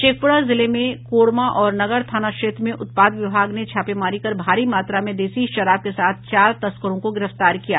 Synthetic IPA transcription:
ʃeːk̚pʊɽazɪlemẽkoːɽmaʔɔːɾnɐɡəɾt̪ʰaːnakʃeːt̪ɾmẽʔʊt̪̚paːd̪ʋɪbʱaːɡnet͡ʃʰaːpemaːɾikɐɾbʱaːɾimaːt̪ɾamẽd̪eːsiʃɐɾaːb̚kesaːt̪̚ʰt͡ʃaːɾt̪ɐskəɾõkoɡɪɾəft̪aːɾkijaː

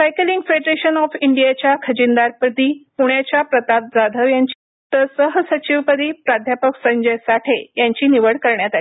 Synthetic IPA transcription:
sajkəliŋɡfeɖɾeɕənɔfiɳɖijat͡ɕjakʰəd͡ʑind̪aɾpəd̪iːpuɳjat͡ɕapɾət̪ap̚d͡zad̪ʱəʋjaɲt͡ɕi | t̪əsəɦsət͡ɕiʋpəd̪iːpɾad̪ʱjapəksəɲd͡ʑəjsaʈʰejaɲt͡ɕiːniʋəɽkəɾɳjat̪ai

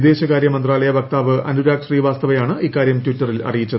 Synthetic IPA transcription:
d̪e̞ːɕɐkaːɾjɐmɐnd̪raːlɐjɐbɐk̚t̪aːʋɨɐnuɾaːkʂriːʋaːst̪ɐʋɐjaːɳɨʔikːaːɾjɐmtwutːɐrilɐ̰ɽijit͡ɕːɐð

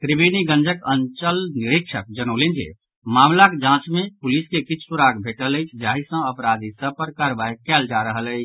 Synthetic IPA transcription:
kɾibiniɡə̃nd͡ʒəkənt͡ʃəlniɾikʃʰək̚d͡ʒənolend͡ʒḛ | mamlakd͡ʒãt͡ʃmepuliskekit͡ʃʰsuɾaɡbʱeʈələjt͡ʃʰd͡ʒaːɦisə̃əpɾad̪isə̃pəɾkəɾbajkɛld͡ʒaɾəɦələjt͡ʃʰ

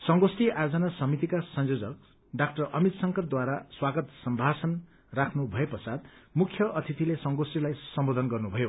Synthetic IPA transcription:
sʌŋɡosʈiajod͡zʌnasʌmit̪ikasʌnjod͡zʌk̚ | ɖak̚ʈʌrʌmit̪sʌŋkʌrd̪waɾaswaɡʌt̪sʌmbʱasʌn | rakʰnubʱʌepʌsad̪mukʰjʌʔʌt̪ʰit̪ilesʌŋɡosʈilajsʌmbod̪ʱʌnɡʌrnubʱʌjo

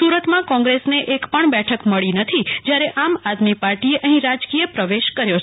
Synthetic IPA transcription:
suɾət̪mãkɔ̃ŋɡɾesneʔekpəɳbɛʈʰəkməɭinət̪ʰid͡ʒjaɾeʔamad̪mipaɾʈieʔəɦĩɾad͡ʒkijəpɾəʋeʃkəɾjo

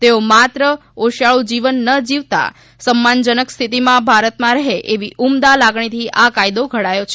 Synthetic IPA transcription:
t̪eomat̪ɾəoʃaɭũd͡ʒiʋənːəd͡ʒiʋt̪a̰ | səmːand͡ʒənəkst̪ʰit̪imãbʱaɾət̪mãɾəɦeʔeʋiʔumd̪alaɡɳ̃it̪ʰiʔakajd̪oɡʱəɽajot͡ʃʰe

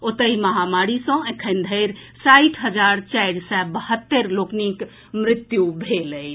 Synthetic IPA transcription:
ot̪əiməɦamaɾisə̃ẽkʰənd̪ʱəjɾ | saiʈʰɦəd͡ʒaɾt͡ʃajɖsɛbəhət̪ːəɾloknik | mɾit̪jubʱeləj

